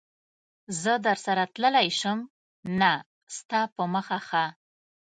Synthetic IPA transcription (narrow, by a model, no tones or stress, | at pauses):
zəd̪əɾsaɾat̪ləlajʃəm | na | st̪ɑpəməxaxa